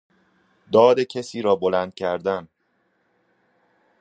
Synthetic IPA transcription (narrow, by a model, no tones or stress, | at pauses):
d̪ɒːd̪e̞cʰesiːɾɒːbolænd̪̥̚cʰæɾd̪æn